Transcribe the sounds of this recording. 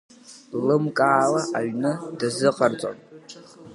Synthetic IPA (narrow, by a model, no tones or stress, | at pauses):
lɨmkʼaːlaʔaɥnɨdazɨqʼart͡sʷʼo̰m